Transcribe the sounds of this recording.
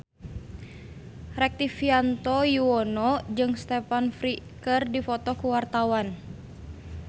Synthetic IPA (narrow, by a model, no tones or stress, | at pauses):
rɛk̚t̪ifiant̪ɔjuɔnɔd͡ʒɨŋst̪ɛpanfɾi | kərdifɔt̪ɔkuwart̪awan